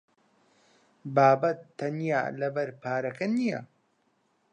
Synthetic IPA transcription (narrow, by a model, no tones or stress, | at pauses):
baːbɐt̪ːɐnja̰ːlɐbɐɾpʰaːɾɐkɐnijɐ̰